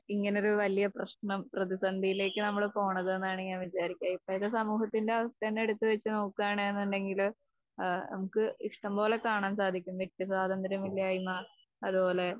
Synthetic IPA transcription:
iŋːɐneoɾuʋɐlijɐprɐɕɳɐmprɐðisɐnd̪ʱijile̞ːkːɨnɐmːɐɭpo̞ːɳɐðenːaːɳɨɲaːnʋit͡ɕaːɾikʲːaːipːoɐðɨsɐmuːɦɐt̪ːinde̞ɐʋɐsʈenːe̞ɽut̪ːɨʋet͡ɕːɨno̞ːkːuaːɳɨenːuɳɖe̞ŋɡil | nɐ̰mukːɨikʂʈɐmbo̞ːle̞kaːɳaːnsaːd̪ʱikʲːumʋet̪ːisaːd̪ɐnd̪ɐɾɐmilːɐaːjumːaː | ɐðupo̞ːle̞

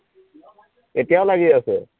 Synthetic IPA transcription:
etijaʊlaɡiasɛ

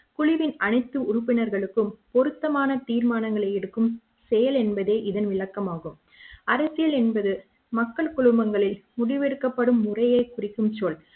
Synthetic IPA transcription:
kʊɻɪʋɪnɐɳɐɪt̪ːɯʊrʊpːɪnɐɾɣɐɭɯkːɯmpɔɾɯt̪ːɐmaːnɐt̪iːɾmaːnɐŋɡɐɭɐɪɛɽɯkːɯm | sɛjɐlɛnbɐðeːʔɪðɐnʋɪɭɐkːɐmaːɣɯm | ɐɾɐsɪjɐlɛnbɐðɯ | mɐkːɐɭkʊɭɯmbɐŋɡɐɭɪlmʊɽɪʋɛɽɯkːɐpːɐɽɯmːʊrɐjɐɪkʊrɪkːɯmt͡ʃoːɭ

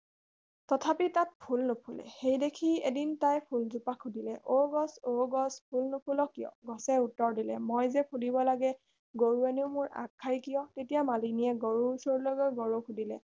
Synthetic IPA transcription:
tɔtʰapitat̚pʰulnopʰulɛ̰xejdekʰiedintajpʰulzupakʰːudilɛʔoɡɔsoɡɔspʰulnopʰulɔkijɔ̰ɡɔsɛutːɔɹdilɛ̰mojzɛpʰulibɔlaɡɛ | ɡoɹueneʊmʊɹa̰kʰːajkijɔtetijamaliniɛɡoɹuusoɹlɔɡɔjɡɔɹokʰudilɛ

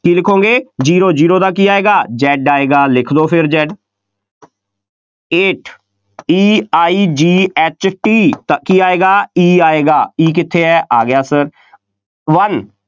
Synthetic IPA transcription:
kiːlɪkʰõːŋɡeːd͡ʒiːɾoːd͡ʒiːɾoːd̪aːk̬iːaːeːɡaːd͡ʒɛːɖaːeːɡaːlɪkʰd̪oːpʰɪɾd͡ʒɛːɖ | eːʈʰ | iːaːiːd͡ʒiːɛːt͡ʃʈiːt̪akiːaːeːɡaːiːaːeːɡaːiːk̬ɪt̪ʰːeːɛːʔaːɡɪjaːsəɾ | ʋən

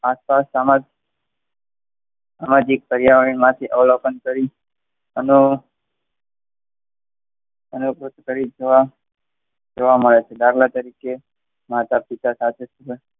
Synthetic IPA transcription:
aspasamad͡ʒ | samad͡ʒikpəɾjaʋəɳ̃imãt̪ʰiʔəʋlokənkəɾi | ənu | ənukɾut̪kəɾid͡ʒoʋa | d͡ʒoʋaməɭet͡ʃʰed̪aɡlat̪əɾike | mat̪apit̪asat̪ʰesubə

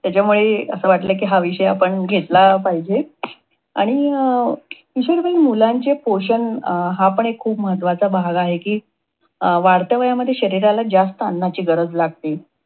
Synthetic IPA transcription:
t̪jat͡ɕamuɭeə̰səʋaʈlək̬iːɦaʋiɕəjapəɳɡʱet̪lapaɦid͡ʑe | a̰ɽ̃i | iɕəɽbəimulaɲt͡ɕepoɕənɦapəɳekʰːuːpməɦət̪ʋat͡sabʱaɡaɦekiː | ʋaɽt̪əʋəjaməd̪ʱːjeɕəɾiɾalad͡ʑd͡zast̪əənːat͡ɕiːɡəɾəd͡zlaɡ̚t̪e

